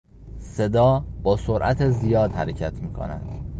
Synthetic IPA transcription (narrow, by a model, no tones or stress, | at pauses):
se̞d̪ɒːbɒːsoɾʔæt̪ʰezijɒːd̪hæɾecʰæt̪ʰmiːkʰo̰næ̰d̪̥